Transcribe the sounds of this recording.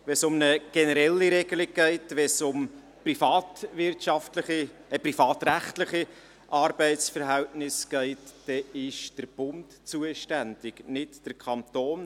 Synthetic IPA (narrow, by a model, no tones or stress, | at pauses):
ʋɛsʊmnəɡ̥ɛnəɾɛlːiɾɛɡ̥əlɪɡ̚ɡ̥ɛɪtʋɛsʊm | prifɑːtʋɪɾtʃɑftləχiəprifɑːtræχtləχi | ʔɑɾbɛɪtst͡sfəɾɦɛltnɪsɡ̥ɛɪtd̥ɛɪʃd̥əɾb̥ʊnt | t͡suəʃtænd̥ɪɡnɪtd̥əɾkʰɑnt̪oːn